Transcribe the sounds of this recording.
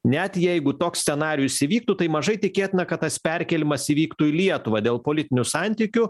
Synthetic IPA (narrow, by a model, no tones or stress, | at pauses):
nʲɛt̪jɛɪɡʊt̪oːksʲsʲɛnɑːɾʲɪjʊsʲɪʋʲiːk̚t̪ʊt̪ɐɪmɐʒɐɪt̪ʲɪkʲeːt̪ʲɪnɐkɐt̪̚t̪ɐspʲɛɾʲkʲɛlʲɪmɐsiʋʲiːkt̪uɪlʲiɛt̪ʊʋɐd̪ʲeːlˠpoːlʲɪt̪ʲɪnʲʊsɑnʲt̪ʲiːkʲʊ